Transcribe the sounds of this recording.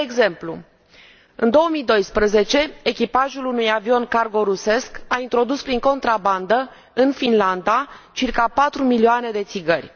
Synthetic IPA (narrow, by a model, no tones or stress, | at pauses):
d̪eeɡze̞mplṵ | ɨ̰nd̪o̞wəmijd̪o̞jspɾəze̞t͡ʃe̞ekʲipaʒulunujavio̞nkarɡo̞ɾuse̞skaint̪ɾo̞d̪uspɾiŋko̞nt̪ɾaband̪ə | ɨnfinland̪at͡ʃirkapat̪ɾumilioane̞d̪e̞t̪siɡərʲ